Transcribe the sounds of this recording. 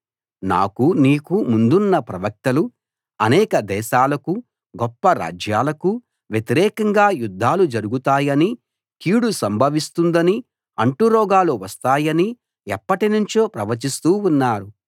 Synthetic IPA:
na̰ːkuniːkumund̪unːɐpɾɐʋɐk̚t̪ɐlu | ɐnɛːkɐd̪ɛːʃaːlɐku | ɡɔpːɐɾa̰ːd͡ʒjaːlɐku | ʋjet̪iɾɛːkɐŋɡaːjud̪ʱːaːlud͡ʒɐɾuɡut̪aːjɐni | kiːɽusɐmbʱɐʋist̪und̪ɐni | ɐɳʈuɾɔːɡaːluʋɐst̪aːjɐni | ɛpːɐʈinuɲt͡ʃo̞ːpɾɐʋɐt͡ʃist̪uːunːaːɾu

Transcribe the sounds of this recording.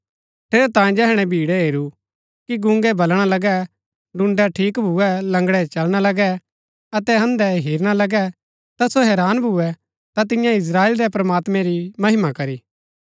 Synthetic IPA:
ʈʰeːɾɛt̪ãːĩd͡ʒɛɦɽ̃ɛbʱiːɽɛɦeːɾu | kiɡʊ̃ŋɡɛbʱɐlɽ̃alɐɡɛ | ɖʊ̃ɳɖɛʈʰiːkbʱuɛlɐ̃ŋɡɽɛt͡ʃɐlɽ̃alɐɡɛ | ɐt̪ɛɦɐ̃nd̪ɛɦiːɾɽ̃alɐɡɛ | t̪asoɦɛːɾaːnbʱuɛ | t̪at̪̬ɪ̃jãɪs̬ɾaːeːlɾɛpɾɐmaːt̪mɛ̃ɾimɐɦɪmakɐɾiː

